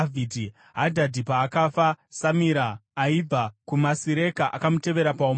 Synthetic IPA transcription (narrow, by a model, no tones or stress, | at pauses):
vʱidʱi | ɦadʱadʱipaːkaːfasamiɾaːib͡vakumasiɾe̞kaʔakamute̞ʋe̞ɾapao